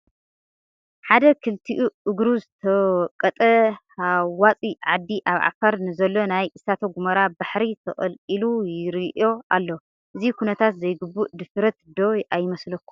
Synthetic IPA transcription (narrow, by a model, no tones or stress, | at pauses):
ħad̪ɐkʰɨlt̪ʰiʔuʔɨɡɾuzɨt̪ʰɐkʼːɐt̪ʼɐ | awwat͡sʼiʕad̪ːiʔaβʕa̰fɐɾnɨzɐlːo̞najʔɨsat̪ʰɐɡumɐɾabaħɾit̪ʰɐχʼɐ̰lkʼilujɪɾiʔo̞a̰lːo | ʔɨzikʰunɐt̪ʰat̪zɐjɡɨbːuʔd̪ɨfɾɐt̪d̪o̞ajɪmɐslɐkːu̥